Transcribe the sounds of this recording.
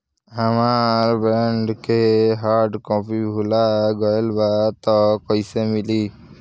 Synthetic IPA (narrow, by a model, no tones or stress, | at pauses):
əmaɾbɛɳɖkeɦaːɾɖkɔ̃ːpibʱulaɡɔelbat̪ɔkɔisemɪliː